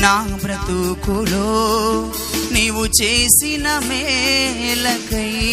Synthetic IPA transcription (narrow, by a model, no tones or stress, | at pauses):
naːbɾɐt̪ukuloː | neːʋut͡ʃeːsinɐme | lɐkɐ